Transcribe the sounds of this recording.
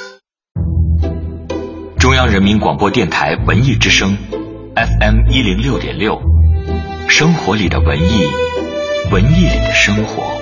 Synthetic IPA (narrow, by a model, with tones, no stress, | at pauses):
ʈ͡ʂʊ˥ŋjɑ˥ŋɻə˧˥nmi˧˥nkwɑ˨˩ŋpwɔ˥t̪jɛ˥˩nt̪ʰa˧˥ɪwə̰˧˥ni˥˩ʈ͡ʂɻ̩˥ʂɤ˥ŋɛ˥fɛ˥˩mi˥li˧˥ŋljo˥˩ʊt̪jɛ̰˨˩nljo˥˩ʊ | ʂɤ˥ŋxwɔ˧˥li˨˩d̪ə̰˦wə˧˥ni˥˩ | wə˧˥ni˥˩lḭ˨˩d̪ə˦ʂɤ˥ŋxwɔ̰˧˥